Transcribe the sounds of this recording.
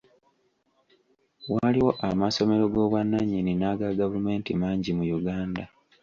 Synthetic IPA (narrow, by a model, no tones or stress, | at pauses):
waliwo̞ʔamaso̞me̞ɾoɡo̞ːβwanːaɲininaɡaɡavume̞ːntimaːɲɟimujuɡaːnda